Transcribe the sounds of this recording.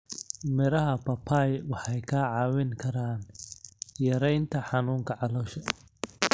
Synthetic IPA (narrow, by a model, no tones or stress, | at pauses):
mɪɾɐɦɐpʰɐpʰajwɑħɑjkʰaːʕɑːwɪŋkʰɐɾaːn | jɐɾɛjnt̪ʰɐħɑnuːŋkʰɐʕɑlɔːʃɐ